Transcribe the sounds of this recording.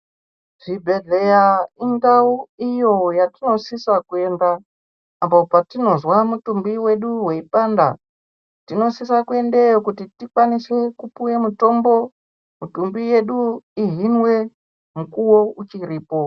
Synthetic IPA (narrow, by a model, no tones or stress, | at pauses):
ʐ̥ibʱe̞ɮe̞jaiŋɡauijo̞jatino̞sisakue̞ndaː | mbopatino̞zwamutumbiwe̞ɗuwe̞ipaːnda̰ | tino̞sisakue̞ndejokutitikwanise̞kupujemuto̞mbo̞ | mutumbije̞ɗuiɦinwe̞ | mukuwo̞ut͡ʃiɾiːpo̞